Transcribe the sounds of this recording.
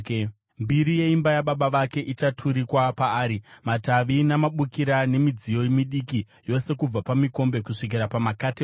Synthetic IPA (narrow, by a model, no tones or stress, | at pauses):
mbiɾije̞imbajaɓaɓaʋake̞ʔit͡ʃatʰuɾikwapaːɾimataʋinamaɓukiɾane̞mid͡zijo̞imiɗiki | jo̞se̞kub͡vapamiko̞mbe̞kuʂik̬iɾapamakati